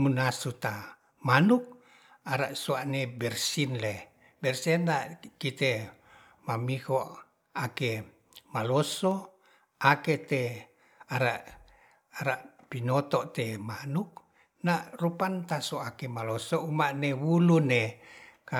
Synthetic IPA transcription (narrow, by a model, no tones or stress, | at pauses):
munasut̪a | manuk̚ | aɾaʔsuaʔnebɛrsinle | bɛrsinlakit̪e | mamikoʔ | ake | maloso | aket̪e | aɾaʔː | ɾaʔ | pinot̪ɔʔt̪emanuk̚ | naʔrupant̪asoakemalosoumaʔnewuluneka